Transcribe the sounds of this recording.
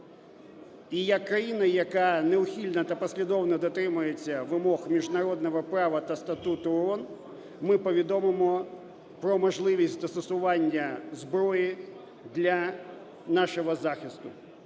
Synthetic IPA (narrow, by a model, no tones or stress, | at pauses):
ijɐkːɾɐjinɐjɐkɑneʊxʲilʲnɐt̪ɐpɔsʲlʲid̪ɔwnɔd̪ɔt̪ɾɪmʊjet͡sʲːɐʋɪmɔxmʲiʒnɐɾɔd̪nɔɦɔpɾɑʋɐt̪ɐst̪ɐt̪ut̪ʊɔn | mɪpɔʋʲid̪ɔmɪmɔ | pɾɔmɔʒlˠɪʋʲisʲt̪ɐst̪ɔsʊʋɑnʲːɐzbɾɔjɪ | d̪lʲɐ | nɑʃɔɦɔzɑxʲist̪ʊ